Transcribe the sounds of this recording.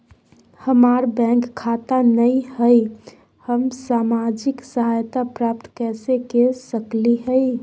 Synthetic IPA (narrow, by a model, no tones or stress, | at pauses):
həmaɾbɛ̃ŋkkʰːat̪anəjhəɪ | həmsamad͡ʒiksəɦajt̪apɾap̚t̪kɛsekesəkliɦəɪ